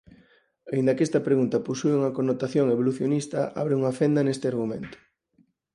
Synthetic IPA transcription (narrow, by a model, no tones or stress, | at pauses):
aind̪ɐkest̪ɐpɾeɣunt̪ɐposueuŋɐkonːot̪aθjoŋeβ̞oluθjonist̪ɐ̰ʔa̰βɾeuŋɐfend̪ɐnest̪ɪaɾɣumḛ̃nt̪ʊ̥